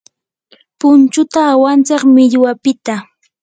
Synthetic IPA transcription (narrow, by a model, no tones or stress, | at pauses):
pʊnt͡ʃʊt̪aːwant͡sɑχmɪʎwapɪt̪a